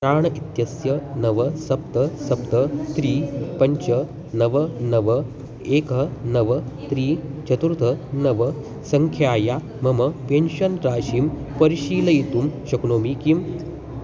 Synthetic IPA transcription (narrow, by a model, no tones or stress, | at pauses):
aːɳɐʔit̪jɐsjɐnɐʋɐsɐp̚t̪ɐsɐpt̪ɐt̪ɾiːpɐɲt͡ɕɐ | nɐʋɐnɐʋɐ | eːkɐnɐʋɐt̪ɾiːt͡ʃɐt̪uɾt̪ʰɐnɐʋɐ | sɐŋkʰjaːja | mɐmɐpenɕɐnɾaːɕiːmpɐɾiɕiːlɐit̪uːmɕɐknoːmikim